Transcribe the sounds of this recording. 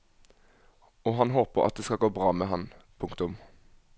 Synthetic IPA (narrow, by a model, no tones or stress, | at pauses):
ɔːɦɑnɦoːpəʁʔɑ̰t̪̚d̪eːskɑlɡoːbʁɑːmeːɦɑnpʰʊŋkt̪ʊm